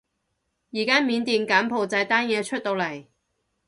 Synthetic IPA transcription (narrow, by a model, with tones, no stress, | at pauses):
jiː˨˩kaː˥miː˨˧nt̪iː˨nkaː˨˥mpʰo˨wt͡sɐ˧˥jt̪aː˥njɛː˨˧t͡ʃʰɵ˥t̚t̪o˧wlɐ˨˩j